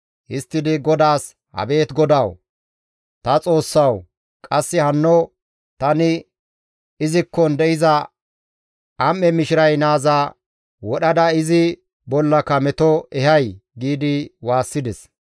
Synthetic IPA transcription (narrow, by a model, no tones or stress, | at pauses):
ʔɪst̪ːɪd̪ɪɡɔd̪aːs | hɐ̰be̞ːt̪ɡɔd̪ɐw | t̪ɐt͡sʼo̞ːsːɐw | kʼɐsːɪhɐnːɔ | t̪ɐnɪ | ɪzɪkːɔnd̪ɛʔɪzɐ | ɐmːɛmɪʃɪɾɐjnaːza | wɔɗɐd̪ɐɪzɪ | bɔlːɐkɐmɛt̪ɔɛɦɐjɡiːd̪ɪwaːsːɪd̪ɛs